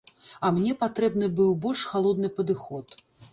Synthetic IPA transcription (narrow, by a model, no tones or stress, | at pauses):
ɐmnʲɛpat̪ɾɛbnɨbɨwbɔlʲʂxalˠɔd̪nɨpɐd̪ɨxɔt̪